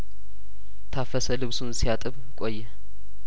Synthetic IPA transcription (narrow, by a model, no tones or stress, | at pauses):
t̪ʰafəsəlɨβsunsijat̪ʼɨβ | kʼojːɛ